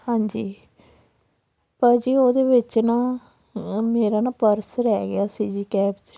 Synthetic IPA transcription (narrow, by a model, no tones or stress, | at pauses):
hãːɲd͡ʒiː | pəɾd͡ʒiːoːd̪eːʋɪt͡ʃnãː | meːɾaːnaːpəɾsɾɛːɡɪaːsiːd͡ʒiːkɛːpd͡ʒ